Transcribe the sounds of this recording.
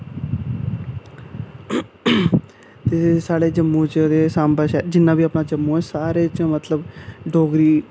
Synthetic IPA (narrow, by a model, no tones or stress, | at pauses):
t̪esaːɽeːd͡ʒəmːõːt͡ʃd̪eːsaːmbəʃɛːd͡ʒɪnːãːbiːapnãːd͡ʒəmːõːɛːsaːɾeːt͡ʃãːmət̪ləbɖoːɡɾiː